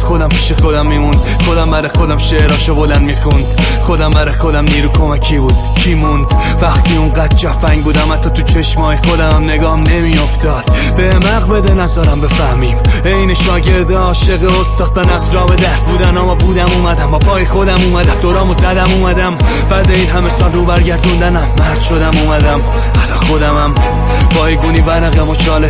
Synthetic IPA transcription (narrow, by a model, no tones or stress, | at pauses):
xod̪æmpʰiːʃexod̪æmːiːmund̪̥ | xod̪æmbæɾɒjxod̪æmʃeɾɒːʃobolænd̪miːxund̪̥ | xod̪æmbæɾɒjxod̪æmniːɾukʰomæcʰibuːd̪̥ | kʰimund̪ | væxt̪ʰiːuŋɡæd̪̥̚t͡ʃʰæfæŋɡbuːd̪æmæt̪ʰːɒt̪ʰut͡ʃʰeʃmɒːjixod̪æmæmne̞ɡɒːnemio̞ft̪ɒːd̪̥ | b̥emæɣbed̪enæzɒːɾæmbe̞fæɾmiːmejneʃɒːɟe̞ɾd̪eɒːʃeɣeost̪ɒːd̪̚benæfzɾɒːbed̪æɾd̪̚buːd̪ænɒːmɒbuːd̪æmuːmæd̪æmbɒpʰɒːjexod̪æmuːmæd̪æmd̪oɾɒːmozæd̪æmuːmæd̪æm | bæɾd̪eiːnɦæmesɒːnɾuːbæɾɟæɾd̪und̪ænæmːæɾd̪̥ʃo̞d̪æmuːmæd̪æm | ælɒːxod̪æmæm | bʰɒːjɡuːniːvæɾæɣæmot͡ʃʰɒːle